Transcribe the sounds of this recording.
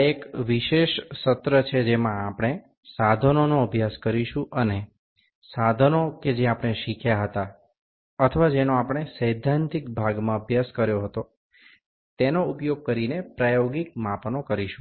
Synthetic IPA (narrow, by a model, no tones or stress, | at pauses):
ekʋiʃeʃsət̪ɾət͡ʃʰed͡ʒemãapəɳ̃e | sad̪ʱənonoəbʱjaskəɾiʃũʔəne | sad̪ʱənoked͡ʒeapɽ̃eʃikʰjaɦət̪a | ət̪ʰəʋad͡ʒenoapɽ̃esəjd̪ʱãnt̪ikbʱaɡmãəbʱjaskəɾjoɦət̪o | t̪enoupjoɡ̚kəɾinepɾajoɡik̚mapnokəɾiʃũ